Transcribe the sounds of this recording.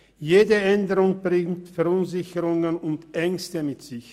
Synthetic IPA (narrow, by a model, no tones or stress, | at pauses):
jeːdəʔɛndəʁʊŋb̥ʁɪŋtfɛɐʊnzɪçəʁʊŋənʊntʔɛŋstəmɪtz̥ɪç